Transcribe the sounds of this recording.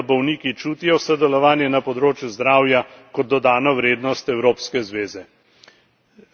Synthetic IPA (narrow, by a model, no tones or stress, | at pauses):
bɔwniːkit͡ʃuːt̪ijɔsəd̪ɛlɔʋaːnjɛnapɔd̪ɾoːt͡ʃjuzd̪ɾaːwjakɔd̪̚ːɔd̪aːnɔʋɾeːd̪nɔst̪ɛwɾoːpskɛzʋeːzɛ